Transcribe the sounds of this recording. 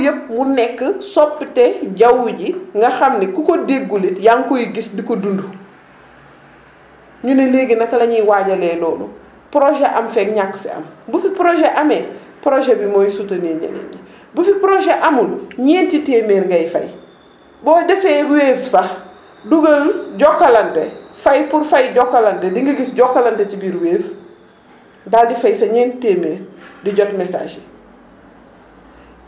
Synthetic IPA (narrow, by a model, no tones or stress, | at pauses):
jɐp̚munɛkːəsɔpːtɛɟɐwuɟiŋɡɐxɐmnikukodeɡːulitjaŋkojiɡisdikodundu | ɲunɐleɡinɐkɐlɐɲiwaːɟɐlɛːlɔːlṵ | pɾoʒeʔɐmfɛkɲakːfḛɐ̰mbufipɾoʒeʔɐme | pɾoʒebimɔːjisutɐneːɲḛnḛɲi | bufipɾoʒeʔɐmulɲeːntiteːmeːɾɡɐjfɐ̰j | bɔːdɐfeɾweːfsax | duɡɐlɟɔkːalɐntḛfɐjpuɾfɐjɟɔkːalɐntediŋɡɐɡisɟɔkːalɐntecibiɾweːf | daldifajsɐɲeːntiteːmeːɾdiɟotmesa̰ːʃe̥